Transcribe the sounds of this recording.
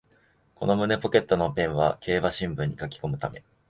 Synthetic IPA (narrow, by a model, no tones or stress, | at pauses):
ko̞̰no̞mɯ̟ne̞po̞ke̞t̪ːo̞no̞pẽ̞ɰ̃βa̰kʰe̞ːβaɕĩmbɯ̟̃ɲ̟ːikakʲi̥ko̞mɯ̟t̪ame̞̰